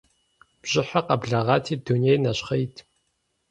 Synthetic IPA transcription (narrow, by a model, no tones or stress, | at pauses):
b̥ʑ̥ɪħaqɐbɮɐʁɑːtʰiːdunejnɐɕχɐjtʰ